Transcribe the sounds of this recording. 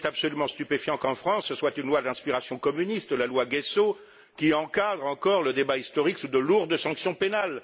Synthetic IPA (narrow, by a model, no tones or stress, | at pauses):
t̪apsɔlymɑ̃st̪ypefjɑ̃kɑ̃fχɑ̃səswat̪ynlwad̪ɛ̃spiʁasjɔ̃kɔmynist̪əlalwaɡɛso | kʲiɑ̃kad̪ʁɑ̃kɔʁləd̪ebaist̪ɔʁiksud̪əluʁd̪sɑ̃ksjɔ̃penal